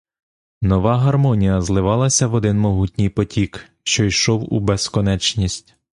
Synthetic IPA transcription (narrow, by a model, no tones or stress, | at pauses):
nɔʋɑɦɐrmɔnʲijɐzlˠɪʋɑlˠɐsʲɐʋɔd̪ɪnmɔɦutʲnʲijpɔtʲik | ʃt͡ʃɔjʃɔwṵbeskɔnɛt͡ʃnʲisʲtʲ